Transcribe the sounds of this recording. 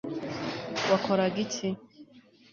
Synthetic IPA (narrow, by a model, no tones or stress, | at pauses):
wakoɾaɡitʰi